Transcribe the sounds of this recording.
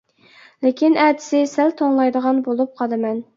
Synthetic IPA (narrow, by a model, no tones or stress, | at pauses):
lɪkʲinɛt̪ʰɪ̥sɪsælt̪ʰoŋlˠɑjd̪əʁɑnbolˠup̚qʰɑlˠɨmɛn